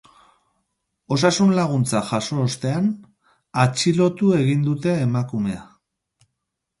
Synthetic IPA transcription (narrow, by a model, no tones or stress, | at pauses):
o̞s̬asunlaɣ̞unt͡saʝaso̞ːst̪e̞an | at͡ʃilo̞t̪ue̞ɣind̪ut̪e̞ːmakume̞a